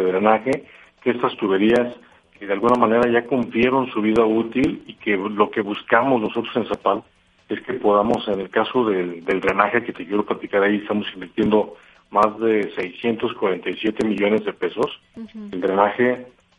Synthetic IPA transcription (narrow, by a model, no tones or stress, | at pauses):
ðɾenaxe̞ | keest̪ast̪uβe̞ɾias | keðealɣunamãne̞ɾaʝakumplje̞ɾo̞nsuβ̞iðaut̪ilike̞lo̞ke̞βuskamo̞zno̞so̞t̪ɾose̞nsapal | e̞ske̞po̞ðamo̞se̞ne̞lkaso̞ðed̪e̞ld̪ɾenaxe̞ke̞t̪ekjeɾo̞plat̪ikaɾaiest̪amo̞simbiɾt̪je̞nd̪o̞ | mazðe̞se̞jsje̞nt̪o̞skwaɾe̞nt̪ajsje̞t̪e̞miʝo̞ne̞zðe̞pe̞so̞s | eld̪ɾenaxe̞